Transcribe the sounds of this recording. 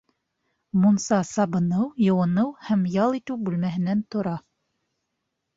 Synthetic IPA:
munsɑsɑbɤ̆nɤwjŏwɤ̆nɤwhæmjɑlˠit̪ɘwbʉlmæɦɘ̆nænt̪ŏɾɑ

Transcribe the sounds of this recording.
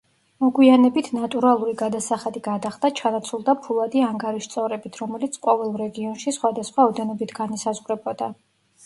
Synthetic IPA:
mɔɡwianɛbit̪ʰnat̪ʼuɾalˠuɾiɡad̪asaχad̪iɡad̪aχd̪at͡ʃʰanat̪sʰulˠd̪apʰulˠad̪iaŋɡaɾiʃt̪sʼɔɾɛbit̪ʰɾɔmɛlit̪sʰqʼɔvɛlˠɾɛɡiɔnʃisχwad̪asχwaɔd̪ɛnɔbit̪ʰɡanisazʁɾɛbɔd̪a

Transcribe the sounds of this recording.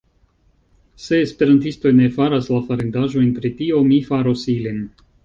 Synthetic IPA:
se̞ːspe̞ɾantisto̞jne̞faɾaslafaɾendaʒo̞jnpɾitio̞mifaɾosilin

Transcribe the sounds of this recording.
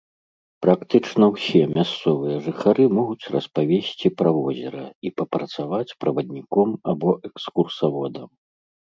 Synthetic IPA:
pɾakt̪ɨt͡ʂnɐwsʲɛmʲast̪sɔvɨjɐʐɨxaɾɨmɔɣut͡sʲrɐspavʲesʲt͡sʲipɾavɔzʲɛɾɐipɐpɾɐt̪savat͡sʲpɾɐvɐd̪ʲnʲikɔmabɔʔɛkskursavɔd̪ɐm

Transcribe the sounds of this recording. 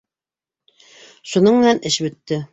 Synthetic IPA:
ʃunɤɴmɘ̆nænɘʃbɵ̆t̪ːɘ

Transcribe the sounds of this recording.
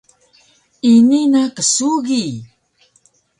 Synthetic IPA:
ininakəsuɡi

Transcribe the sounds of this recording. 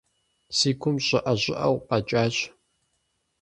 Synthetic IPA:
siːkʷʰʊmɕʼɐʔɐʑɪʔɐwʷqʼɐt͡ʃʼaːɕ

